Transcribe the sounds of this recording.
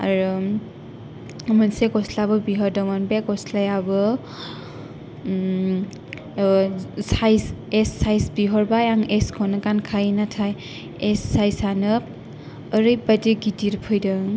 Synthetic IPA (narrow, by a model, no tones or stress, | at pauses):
a̰ɾɯ | mɯnsekɔslabɯbiɦɔɾdɔŋɔnbekɔslajabɯ | sajsesːajsbiɦɔɾbajaŋeskʰɔnɯkankʰajnatʰaj | esːajsanɯp̚ː | ɾɯjbadiɡidiɾpʰɯjdɯŋ